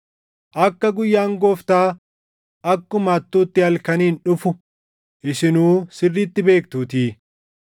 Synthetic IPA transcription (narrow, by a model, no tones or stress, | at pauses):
ʔɐkːɐɡʊjːaːŋɡoːft̪aː | ʔɐkːʊmaːt̪ːuːt̪ːɪɐlkɐniːnᶑʊfʊ | ʔɪsɪnuːsɪrːiːt̪ːɪbe̞ːkt̪uːt̪iː